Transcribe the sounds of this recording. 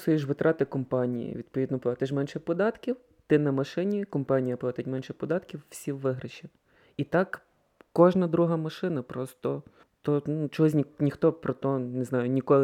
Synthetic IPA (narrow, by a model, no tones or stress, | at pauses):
sʊjeʃʋɪt̪ɾʔɑt̪ɪkɔmpɑnʲḭjḭʋʲid̪pɔʋʲid̪nɔplˠɑt̪ɪʃ̬mɛnʃɛpɔd̪ɑt̪kʲiw | t̪ɪnɐmɐʃɪnʲikɔmpɑnʲijɐplˠɑt̪ɪtʲmɛnʃɛpɔd̪ɑt̪kʲiwːsʲiwːɪɦɾɪʃʲi | it̪ɑk | kɔʒnɐd̪ɾuɦɐmɐʃɪnɐpɾɔst̪ɔ | t̪ɔnut͡ʃɔɦɔs̬ʲnʲinʲixt̪ɔpɾɔt̪ɔneznɑjʊnʲikɔlˠɪ